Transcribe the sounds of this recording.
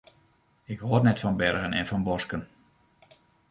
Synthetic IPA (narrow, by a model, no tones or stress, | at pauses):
ɪkhoərnɛtfɔnbɛrɣənɛnfɔnbɔskən